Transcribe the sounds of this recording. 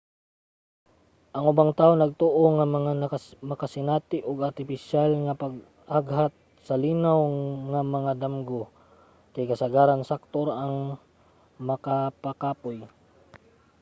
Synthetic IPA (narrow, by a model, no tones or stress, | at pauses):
ʔɐŋʔʊbaŋt̪aːʔoŋnɐɡ̚t̪oʔoŋɐmɐŋanmɐkasɪnaːt̪ɪʔoɡɐɾt̪ɪpɪʃalŋɐpɐɡ̚ | ʔaɡɦat̪̚ | sɐliːnawŋamɐŋad̪amɡo | kajkɐsɐɡaːɾansak̚t̪oɾaŋ | mɐkapakaːpoj